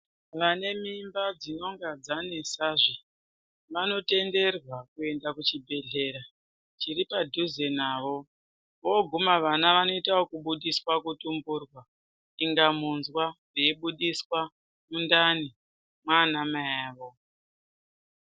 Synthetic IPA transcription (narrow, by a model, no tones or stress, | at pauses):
ʋane̞mimbad͡zino̞ŋɡad͡zanesaʐi | ʋano̞te̞nde̞rwakue̞ndakut͡ʃibʱe̞ɮe̞ɾa | t͡ʃiɾipadʱuzenaːʋo̞ | ʋo̞ɡʱumaʋanaʋano̞itaokuɓuɗiswakutumburwa | iŋɡamunzwariiɓuɗiswa | mundani | mwanamaaʋo̞